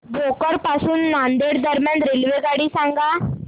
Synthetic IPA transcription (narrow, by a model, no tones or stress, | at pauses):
bokəɾpasuːnːãnd̪eɽd̪əɾmjãnd̪ɾelʋeɡaɽiːsãŋɡa